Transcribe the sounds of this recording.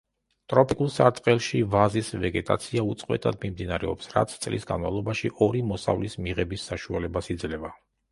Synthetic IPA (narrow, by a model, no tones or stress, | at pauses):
t̪ʼɾɔpʰʼikʼulˠsaɾt̪ʼqʼɛlˠʃivazisvɛɡɛt̪ʼa̰t̪sʰiaut̪sʼqʼwɛ̰t̪ʼʰad̪mimd̪inaɾɛɔpsɾa̰t̪sʰt̪sʼlḭsɡa̰nmavlˠɔbaʃiʔɔɾimɔsa̰vlismiʁɛbisːaʃualɛbasid̪zlɛva